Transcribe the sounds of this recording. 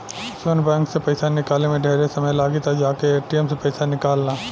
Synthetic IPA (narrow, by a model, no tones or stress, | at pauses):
sənbɛ̃ːŋksepɐɪsanɪkaːlnemẽɖʱeːɾesɐməjlaːɡit̪ad͡ʒaːkeːʈiəmsepɐɪsanɪkaːlnaː